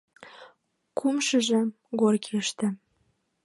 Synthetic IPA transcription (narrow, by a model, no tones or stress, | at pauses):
kumʃə̆ʒə̆ | ɣorkeʃt̪ĕ